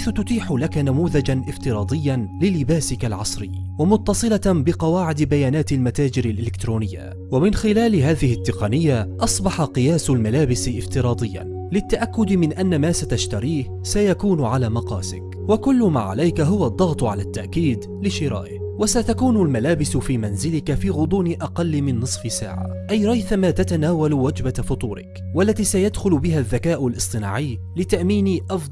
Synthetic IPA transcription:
ħajθʊt̪ʊt̪iːħʊlakanamuːðad͡ʒanʔɪft̪ɪɾˤɑːd̪ˤɪjːanlɪlːɪbaːsɪkalʕɑsˤɾɪjːwamʊt̪ːɑsˤɨlabɪqɑwaːʕɪd̪bajaːnaːt̪almat̪aːd͡ʒɪɾalʔɪlɪkt̪ɾoːnɪjːa̰ | wamɪnxɪlaːlɪɦaːðɪhɪt̪ːɪqɑnɪjːaʔɑsˤbɑħɑqɨjaːsalmalaːbɪsʔɪft̪ɪɾˤɑːd̪ˤɪjːa̰ | lɪt̪ːaʔakːʊd̪mɪnʔanːamaːsat̪aʃt̪aɾiːh | sajakuːnʕalaːmɑqɑːsɪ̰k | wakʊlːʊma̰ːʕa̰lajkaɦʊwad̪ˤːɑɣt̪ˤʊʕa̰laːt̪ːaʔkiːd̪ | lɪʃɪɾa̰ːʔɪhwasat̪akuːnʊlmalaːbɪsʊfiːmanzɪlɪkafiːɣʊd̪ˤuːnɪʔɑqɑlːmɪnːɨsˤfɪsa̰ːʕa̰ʔajɾˤɑjθamaːt̪at̪anaːwalwad͡ʒbafʊt̪ˤuːɾɪ̰k | walːat̪iːsajad̪xʊlʊbɪɦaðːakaːʔʊlʔɨsˤt̪ˤɨna̰ːʕɪjː | lɪt̪aʔmiːnɪʔɑfd̪ˤ

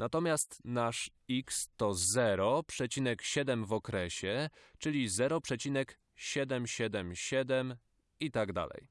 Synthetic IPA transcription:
nat̪ɔmʲjast̪naʂ | ikst̪ɔzɛɾɔpʂɛt͡ɕinɛkɕɛd̪ɛmvɔkɾɛɕɛt͡ʂɘlʲizɛɾɔpʂɛt͡ɕinɛk | ɕɛd̪ɛmɕɛd̪ɛmɕɛd̪ɛm | it̪aɡd̪a̰lɛ̰j

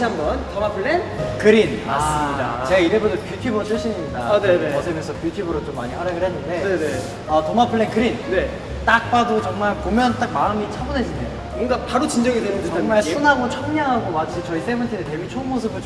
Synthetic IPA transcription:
ɕiɦambʌntʌmapʰɯɭːenkɯɾinma̰ɭs͈ɯmɲida̰t͡ɕeɡaiɾebʌdopjutʰjubʌt͡ɕ͈ʰɯɭɕʰiɲimɲidanneʌd͡ʑʰemjʌnsʰʌpjutʰjubɯɾot͡ɕomːa̰ɲiɸaɾaɡɯɭɦenːɯnde̞nene | ʌtʌmapʰɯɭːenkɯɾinne | t͈ak̚p͈adot͡ɕʌŋmaɭkomjʌnt͈ak̚maɯmit͡ɕʰaboned͡ʑineo | ɯŋɡapaɾut͡ɕind͡ʑʌŋidwenɯndet͡ɕʌʌŋmaɭsʰunɦaɡot͡ɕʰʌŋɲaŋɦaɡomat͡ɕʰit͡ɕʌis͈ebɯntʰinete̞wɥit͡ɕʰonmos̬ʰɯbɯɭ

